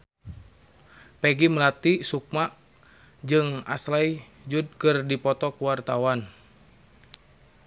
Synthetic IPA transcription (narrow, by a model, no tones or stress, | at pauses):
pɛɡiməlat̪isuk̚maʔ | d͡ʒɨŋa̰slai | d͡ʒud̚kɨrdipɔt̪ɔkuwart̪awan